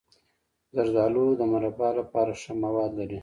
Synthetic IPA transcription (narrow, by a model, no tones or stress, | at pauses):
zaɾzɑlod̪əmaɾapɑlapɑɾaʂəmawɑd̪laɾi